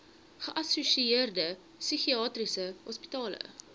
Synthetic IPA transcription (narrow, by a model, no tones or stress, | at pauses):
χəʔɐsusieərdə | syχiɑːtrisəhɔspitɑːlə̰